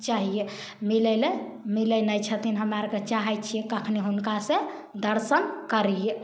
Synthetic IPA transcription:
t͡ʃaɦije | milele | milenəjt͡ʃʰət̪inɦəmaɾket͡ʃaɦɛt͡ʃʰiekəkʰneɦunkasẽ | d̪əɾsənkəɾije

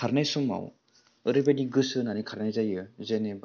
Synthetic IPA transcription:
aɾnajsuma̰w | ɯɾɯbadiɡɯsɯnanikʰaɾnajzajɯzeneba

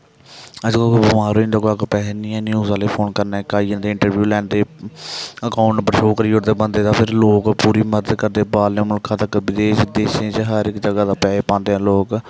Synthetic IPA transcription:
əd͡ʒkobəmaːɾoːind̪oːkoːəkpɛːnĩːãːnjuːzaːleːpʰoːnkəɾnaːkaːiːə̃nd̪eːɪɳʈəɾʋjuːlɛːnd̪eː | əkaːʊɳʈpəɾʃoːkəɾiːʊɾd̪eːbənd̪eːt̪ãːpʰɪɾloːkpuːɾiːməd̪əd̪kəɾd̪eːbaːlnẽːmʊlkʰːãːt̪əkːbɪd̪eːʃd̪eːʃẽːt͡ʃɦəɾɪkd͡ʒəɡaːd̪aːpɛːeːpãːnd̪eːɛ̃ːloːk

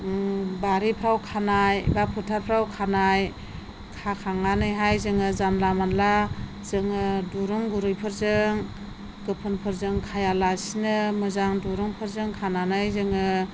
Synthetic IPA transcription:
baɾipʰɾawkʰanajbapʰɯtʰaɾpʰɾawkʰanaj | kʰakʰaŋanɯjɦajzɯŋɯzanlamanla | zɯŋɯduɾuŋɡuɾɯjpʰɯɾzɯŋ | ɡɯpʰɯnpʰɯɾzɯŋkʰajalasinɯmɯzaŋduɾɯŋpʰɯɾzɯŋkʰananɯjzɯŋɯ

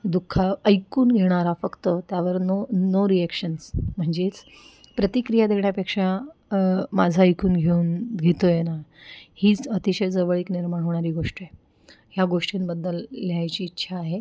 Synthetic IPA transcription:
d̪ukʰːaəjkuːnɡʱeɽ̃aɾafəkt̪ət̪jaʋəɾnonoɾiekʂənsm̤əɳd͡zet͡s | pɾət̪ikɾijad̪eɽjapekʂa | mad͡zʱaəjkuːnɡʱeuːnɡʱet̪ojenahiːt͡sət̪iɕəjd͡zəʋəɭiːkniɾmaɽ̃oʋɳaɾiːɡoʂʈiaj | ɦjaɡoʂʈĩnbəd̪ːəlːejajt͡ɕiːtːɕʰaːɦe

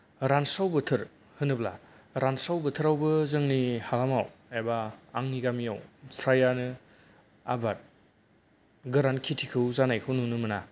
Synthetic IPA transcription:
ɾansawbɯtʰɯɾ | hɯnɯbla̰ | ɾansawbɯtʰɯɾawbɯzɯŋnihalamawebaaŋniɡamijawpʰɾajanɯ | a̰bat̚ | ɡɯɾankʰitʰikʰɯwzanajkʰɯwnunɯmɯna

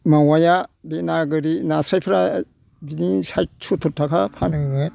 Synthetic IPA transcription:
mawajabenaɡɯɾinasɾajpʰɾa | binisajt͡ʃʰut̪ʰuɾtʰakʰapʰanɡɯ

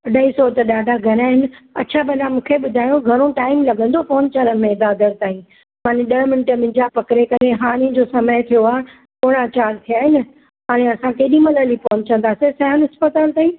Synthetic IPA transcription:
ɗɐisɔt̪ɐɗaːɖʱaɡʱɐɾaːɦɪnɪ̆ɐ̰t͡ɕʰabɐnãmũːkʰeɓʊd̪ʱaːjõɡʱɐɾ̃oʈaːɪmlɐɡə̃nd̪ofoːnt͡ɕalənmẽd̪aːd̪əɾt̪aːĩ | maːneɗɐmɪnʈəmɪ̃ɲd͡ʑapɐkɪɾekɐɾeɦaːɾ̃ẽd͡ʑosɐməjt̪ʰijoaː | poːɽ̃at͡ɕaːɾt̪ʰijaːɦɪnɪ | ɦaːɽ̃eɐsãkeːɗĩmɐləlipɔːnt͡ɕɐ̃nd̪aːsesɐɦənɦɪspət̪aːlt̪aːĩː

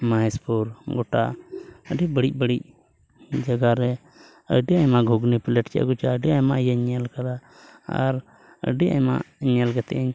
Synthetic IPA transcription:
maspuɾɡɔʈa̰əɖibəɽic̚bəɽic̚ | d͡ʒəɡaɾɛ | ə̰ɖiajmaɡʱuɡnipilɛʈt͡ʃa̰ʔɡut͡ʃaəɖiajmajaɲalkaɾa | a̰ɾ | ə̰ɖia̰ma̰ɲalɡɛt̪ɛ̰əɲ

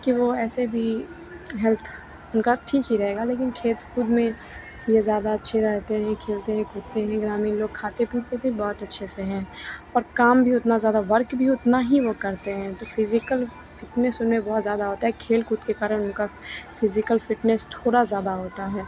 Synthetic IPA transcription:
kiʋoɛːsebʱi | ɦɛlt̪ʰ | ʊnkaʈʰiːkɦiɾɐɦeːɡaleːkɪnkʰeːt̪kʊd̪mẽ | jezjaːd̪aɐtːʃʰeɾɛɦt̪eɦɛ̃kʰeːlt̪eɦɛ̃kuːt̪eɦɛ̃ɡɾaːmiloːɡ̚kʰaːt̪epiːt̪ebʱibɔːt̪ɐtːʃʰeseɦɛ̃ːɔːɾkaːmbʱiʊt̪nazjaːd̪aʋɐɾkbʱiʊt̪naɦiʋokɐɾt̪eɦɛ̃t̪oːfɪzɪkəl | fɪʈnɛsʊnmẽbɔːt̪zjaːd̪aɦoːt̪aɦɛkʰeːlkuːd̪kekaːɾənʊnkafɪzɪkəlfɪʈnɛst̪ʰoːɽazjaːd̪aɦoːt̪aɦɛː

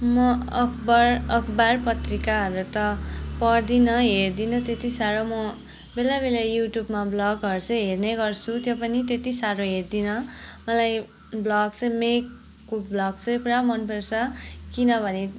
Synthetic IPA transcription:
mʌʌkʰbʌrʌkʰbarpʌt̪rikaɦʌɾut̪ʌpʌrd̪inʌɦerd̪inʌt̪et̪isaɾomʌ | belabelajuʈjubmablʌɡɦʌɾt͡sʰʌ̃ɦerneɡʌrt͡sʰut̪jopʌnit̪et̪isaɾoɦerd̪inʌmʌlaj | blʌɡt͡sʰʌ̃mekː | oblʌɡ̚t͡sʰʌjpuɽamʌnpersʰʌkinʌbʱʌne

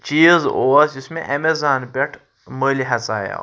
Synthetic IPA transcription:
t͡ʃiːzoːd͡ʒɪsmẽʔɐmezaːnbʲɐʈʰ | məːliɦɐt͡sa̰ːja̰

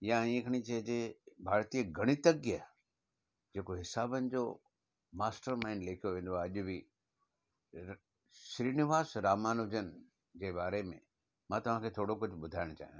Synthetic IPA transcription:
jãĩːkʰəɽ̃it͡ɕɐɦd͡ʑebʱaːɾt̪iːəɡʱɐɽ̃ɪt̪əɡjə | d͡ʑeːkoɦɪsaːbənɪ̆d͡ʑo̰ː | maːsʈəɾmãːɪnleːkʰijoʋẽːn̆d̪oaɐʄʊbi | ʃɾiːnɪʋaːsɾaːmaːnʊd͡ʑən | d͡ʑeːbaːɾemḛ̃ | mãːt̪ɐʋ̤ãːkʰeːt̪ʰoːɽok̬ʊd͡ʑʱʊɓʊd̪ʱaːɪɽ̃t͡ɕa̰ːɦijã

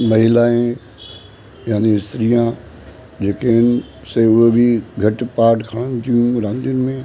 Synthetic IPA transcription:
mɐɦɪlaːẽ | jaːneɪsɾijã | d͡ʑeːkeɦɪnɪ | seʊɦebʱiɡʱɐʈpaːɾʈkʰaɽ̃ənɪ̆t̪ʰijũɾãːnd̪ijʊnɪ̆mẽ

